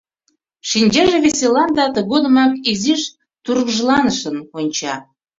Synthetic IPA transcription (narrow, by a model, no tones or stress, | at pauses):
ʃinʲd͡ʑɑʒĕβeselɑnd̪ɑt̪əɣod̪ə̆mɑkiziʃ | t̪uɾɣʒlˠɑnəʃənonʲt͡ɕɑ